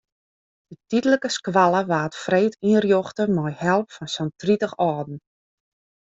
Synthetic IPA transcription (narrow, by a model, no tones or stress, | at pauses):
d̥ətitələkəskwalˠəʋaːtfreːtirjɔxtəmɔjhɛlˠpfɔnsɔntritəxɔːdn̩